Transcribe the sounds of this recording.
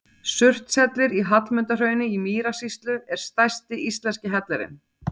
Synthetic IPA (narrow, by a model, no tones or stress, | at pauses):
sʏr̥t̪sɛt̪lɪɾiɦat̪lmʏnt̪ar̥œːɥnɪimiːɾasist̪lʏɛɾ̥st̪ajst̪ɪʔist̪lɛnscɪɦɛt̪lɛɾɪ̰n